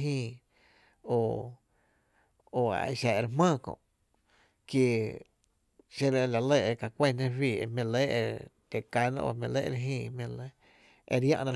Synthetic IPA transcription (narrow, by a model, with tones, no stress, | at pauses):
ɦĩː˧ | o˧˨ | o˧a̰˨˧˨ʃa˨e˧ɾmãː˦˧˨kõ̰˧˨ʔ | kji˧ | ʃe˧ɾe˧la˨le˧˨e˧ka˧˨kʷe˦˨nẽ˦wiː˧˨e˧mẽ˧le˦ḛ˧t̪e˨ka˧˦nã̰˧o̰˧˨mĩ˧lḛ˦ʔɾe˧ɦĩː˧mẽ˧le˦ | ḛ˧ɾjã̰˧ʔnã˧